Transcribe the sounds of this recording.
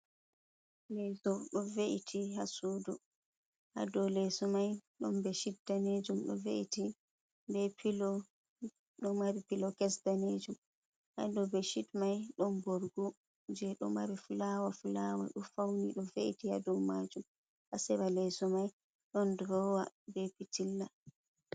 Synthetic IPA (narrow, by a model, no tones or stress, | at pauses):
lɛsɔɗɔveʔitʰihasuːdu | ha̰dɔlɛsɔmajɗɔnbɛʃitːaned͡ʒumɗɔ̰vḛʔiti | bɛpʰilɔ | ɗɔmaɾipilɔkɛstaned͡ʒum | ha̰dɔbɛʃitmajɗɔnbɔɾɡu | d͡ʒɛɗɔmaɾifulawafulawa̰ɗɔfawniɗɔveʔitiha̰dɔmad͡ʒum | hasɛbalɛsɔmaj | ɗɔndɾɔwabɛpitʰilːa